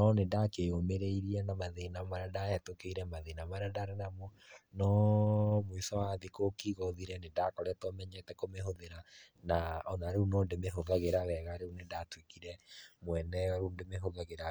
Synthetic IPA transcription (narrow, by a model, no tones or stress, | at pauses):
ɔnedakeomeɾeiɾiɛnamaðenamaɾadaɛtokeiɾɛmaðenamaɾadaɾɛnamonɔ | mwisawaðekokiɣɔðiɾɛnedakɔɾeɛtɔmɛɲɛtɛkomeɦoðeɾanaɔnaɾeunondemeɦoðaɣeɾawɛɣaɾeunedatwekiɾɛmwɛnɛaɾundemeɦoðaɣeɾa